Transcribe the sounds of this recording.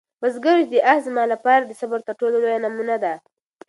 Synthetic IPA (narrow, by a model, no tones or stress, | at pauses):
bazɡəɾd͡ʒd̪əʔazmɑlapɑɾad̪əsabaɾt̪aɾʈololojanamunad̪a